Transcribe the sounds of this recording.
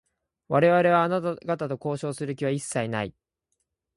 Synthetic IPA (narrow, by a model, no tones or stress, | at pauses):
βaɾe̞βaɾe̞β̞aːnat̪aɡat̪at̪oko̞ːɕo̞ːsɨɾɯ̟k̬ʲiβaisːainai